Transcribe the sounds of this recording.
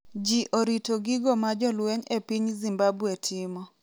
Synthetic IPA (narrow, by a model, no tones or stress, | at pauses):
d͡ʒiʔoɾitoɡiɡɔmad͡ʒɔlweɲepiɲzimbabwetʰɪmɔ